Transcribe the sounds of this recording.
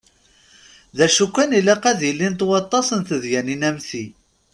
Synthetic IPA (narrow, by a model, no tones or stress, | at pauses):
ðæʃukʷːænilːæqæðjəlːint̪wɑt̪ˤːɑsənθəðjæninæmθi